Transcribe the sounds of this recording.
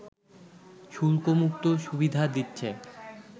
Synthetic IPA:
ʃulkomuk̚t̪oʃubid̪ʱad̪itːɕʰe

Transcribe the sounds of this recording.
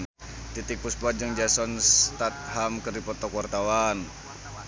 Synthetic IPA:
t̪it̪ik̚pusplad͡ʒəŋd͡ʒasɔnst̪at̪̚ɦamkərdipɔt̪ɔkwart̪awan

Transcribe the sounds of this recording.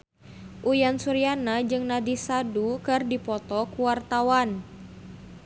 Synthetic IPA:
ʔujansuɾianad͡ʒɨŋnadisadukɨrdipɔt̪ɔkuwart̪awan

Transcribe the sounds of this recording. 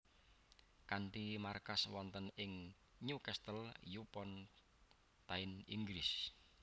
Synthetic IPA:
kanʈ̪imarkaswɔnt̪ənɪŋ | ɲukɛst̪əljupɔn | t̪aɪniŋɡɾɪs

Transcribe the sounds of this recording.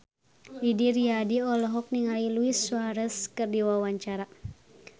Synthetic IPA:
lidiɾiadiɔlɔɦɔk̚niŋaliluisuaɾəskɨrdiwawaɲt͡ʃaɾa

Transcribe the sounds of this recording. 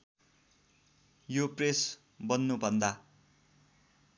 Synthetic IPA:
jopres | bʌnːubʱʌnd̪a

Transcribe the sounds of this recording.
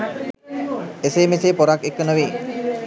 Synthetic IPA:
esemeseːpoɾakːekːənuʋiː

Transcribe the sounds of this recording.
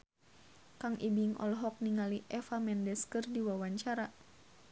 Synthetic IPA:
kaŋʔibiŋɔ̰lɦɔk̚niŋaliʔɛfamɛndɛskɨrdiwawaɲt͡ʃaɾa

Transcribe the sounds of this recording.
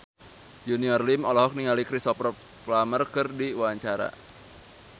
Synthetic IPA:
d͡ʒuniɔrlimɔlɔɦɔk̚niŋalikɾisɔprɔ | plamərkɨrdiwuaɲt͡ʃaɾa̰

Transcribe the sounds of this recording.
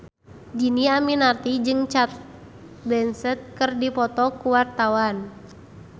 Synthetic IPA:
d͡ʒiniaminart̪id͡ʒɨŋt͡ʃat̪̚ | bɛnsɛt̪̚kɨrdipɔt̪ɔkuwart̪awan

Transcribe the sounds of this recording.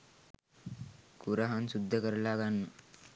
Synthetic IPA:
kuɾaɦansud̪ʱːəkəɾlaɡanːə

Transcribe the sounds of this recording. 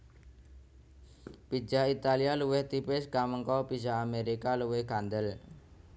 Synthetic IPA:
pi̥d͡ʒait̪alialuwɪht̪ipɪskaməŋkɔpisaːmeɾikaluwɪhɡand̪əl

